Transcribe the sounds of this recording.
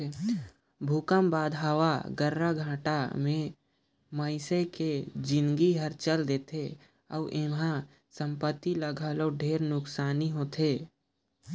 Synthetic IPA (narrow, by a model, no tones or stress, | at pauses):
bʱukəmbaːd̪ɦəwaɡəɾːaɡʱãːʈamẽ | məɪseked͡ʒɪ̃nɡiɦəɾt͡ʃəld̪eːt̪ʰe | ɔ̰ːʔemɦã | sə̃mpət̪ːiləɡʱaːloɖʱeːɾnʊksaːniɦoːt̪ʰeː